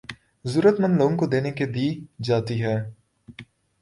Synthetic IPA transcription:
zuːɾət̪mə̃nd̪loːɡõŋkod̪eːneked̪iːd͡ʒaːt̪iɦɛː

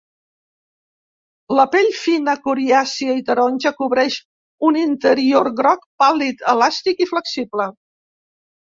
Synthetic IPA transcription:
ləpeʎfinəkuɾiasiəit̪əɾɔnʲʒəkuβɾɛʃ | unint̪əɾioɾɣɾɔk̚palit̪əlast̪ikifləksiblə

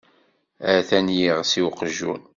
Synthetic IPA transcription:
əθænjiʁsiwqəʒːun

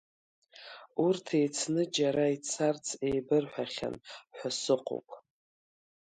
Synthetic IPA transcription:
urtʰe̞jt͡sʰnɨd͡ʒaɾait͡sʰart͡sʰe̞jbɨrħʷᶣaχʲa̰nħʷasɨqʰʷʼo̰kʼ

